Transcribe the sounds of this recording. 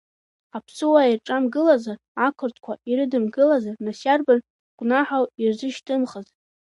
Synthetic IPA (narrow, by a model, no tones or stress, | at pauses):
apʰsɨwairʈ͡ʂʼamɡɨlazar | akʷʰɨrtʰkʷʰaiɾɨdɨmɡɨlazarnasarban | ɡ̥ʷʼnaħawirzɨʃtʰʼɨmχəzʼ